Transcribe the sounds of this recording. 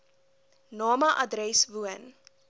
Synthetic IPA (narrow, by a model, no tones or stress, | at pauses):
nɔːmɐʔɐdɾɛsvuən